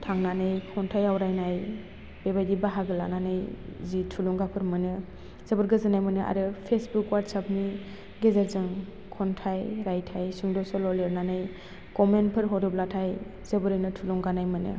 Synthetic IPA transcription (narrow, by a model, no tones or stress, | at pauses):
tʰaŋnanajkʰɔntʰajawɾajnaj | b̥ebajdibaɦaɡɯla̰nanajzitʰulɔŋɡapʰɯɾmɯnɯ | z̥əbɯɾɡɯzɯnajmɯnɯʔa̰ɾɯpʰesbukwaɾtsapni | ɡezaɾzɯŋ | kʰɔntʰajɾajtʰajsuŋdɔsɔlɔleɾnanaj | kɔmentpʰɯɾɦɔɾɯplatʰaj | z̥əbɯɾɯjnɯtʰulɔŋɡanajmɯnɯ̰